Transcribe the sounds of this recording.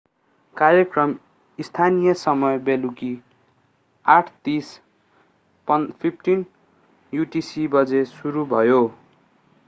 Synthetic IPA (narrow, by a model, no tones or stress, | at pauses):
kaɾjekrʌm | ist̪ʰanijʌsʌmʌjbeluki | aʈʰt̪is | pʌpʰipʰʈin | juʈisibʌd͡zesuɾubʱʌjo